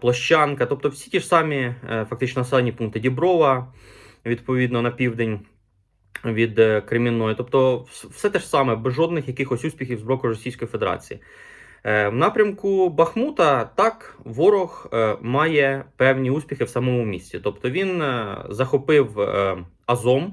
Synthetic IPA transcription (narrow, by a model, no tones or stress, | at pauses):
plˠɔʃt͡ʃːɑnkɐt̪ɔp̚t̪ɔwsʲi̥tʲiʒsɑmʲifɐk̚t̪ɪt͡ʃnɔnɐsɛlˠenʲipunkt̪ɪdʲibɾɔʋɐ | ʋʲid̪pɔʋʲid̪nɔnɐpʲiwd̪enʲ | ʋʲid̪kɾemʲinɔjʊt̪ɔpt̪ɔwsɛt̪ɛʃsɑmɛbɛzʒɔd̪nɪxjɐkɪxɔsʲusʲpʲixʲiwzbɾɔkʊrɔsʲijsʲkɔjifed̪eɾɑ̰t͡sʲḭjḭ | wnɑpɾʲɐmkʊbɐxmut̪ɐt̪ɑkʋɔɾɔxmɑjɛpɛwnʲiusʲpʲixɪwsɐmɔmʊmʲisʲt͡sʲit̪ɔpt̪ɔʋʲinzɐxɔpɪw | ɐzɔm